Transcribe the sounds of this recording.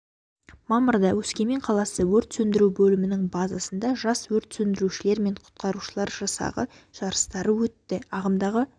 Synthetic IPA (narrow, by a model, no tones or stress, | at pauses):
mɑməɾd̪ɑwɵskʲe̞me̞ɴqʰɑlˠɑsəwɵɾt̪sɵnd̪ɪɾuwbɵlɪmɪnɪŋbɑzɑsənd̪ɑʒɑswɵɾt̪sɵnd̪ɪɾuʃɪle̞ɾme̞ɴqʰʊ̥t̪̚qɑɾuʃəlˠɑɾʒɑsɑ̰ʁəʒ̥ɑɾəst̪ɑɾəwɵt̪ːɪɑʁəmd̪ɑʁə